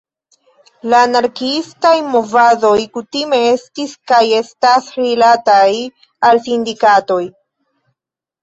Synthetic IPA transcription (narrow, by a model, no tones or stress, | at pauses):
laːnaɾkiistajmo̞vado̞jkutime̞e̞stiskaje̞stasɾilataj | alsindikato̞j